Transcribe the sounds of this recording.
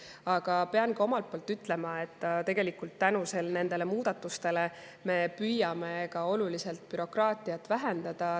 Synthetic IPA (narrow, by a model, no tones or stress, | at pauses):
ɑɡ̥ɑpe̞ɑnɡɑo̞mɑlt̪̚poːlt̪ːyt̪ːle̞mɑe̞t̪ːt̪e̞ɡ̥e̞likult̪ːænuse̞lne̞nd̪̥e̞le̞muːd̪̥ɑt̪ːˑust̪e̞le̞ | me̞pyjɑme̞ɡɑo̞lulise̞lt̪̚pyɾo̞krɑːt̪iɑt̪ːˑvæɦe̞nd̪̥ɑd̪̥ɑ